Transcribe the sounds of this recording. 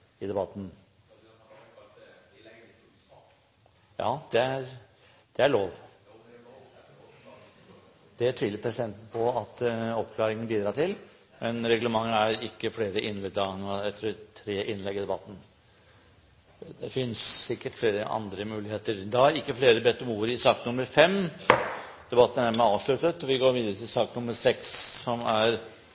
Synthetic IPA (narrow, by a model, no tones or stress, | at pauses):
ɪd̪ɛbɑt̪ːn̩ | jɑ̰ːd̪̥ɛæɾ | d̪̥ɛæɭoːʋ | d̪̥ɛæʈʰiːləɾpʰɾɛsɪd̪ɛnt̪n̩pʰɔɑt̪ɔpkʰlɑːɾɪŋənbiːd̪ɾɑːʈɪl | mɛnɾɛɡləmɑŋːəæɾɪkːəfleːɾəʔɪnlɛd̪ɑnɑɛt̪ːəɾɛt̪ʰɾeːʔɪnlɛɡɪd̪ɛbɑt̪ːn̩ | d̪ɛfɪnssɪkːəʈfleːɾəʔɑ̰nd̪ɾəmʉːlɪheːt̪əɾd̪ɛæɾɪkːəfleːɾəbɛt̪ːəmuːəɾɪsɑːknʊməɾfɛm | d̪̥ɛbɑt̪ːənæɾmɛɑːʋʂlʉt̪ət̪ɔʋɪɡoːɾʋiːd̪əɾət̪ʰɪlsɑːknʊmːəɾsɛkssɔmæɾ